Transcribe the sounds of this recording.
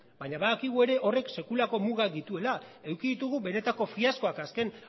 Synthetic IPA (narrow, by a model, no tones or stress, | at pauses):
baɲaβaðakiɣ̞ue̞ɾe̞ʔo̞re̞kse̞kulako̞muɣad̪it̪ue̞lae̞wkiðit̪uɣ̞uβe̞ne̞t̪ako̞fiasko̞akaske̞n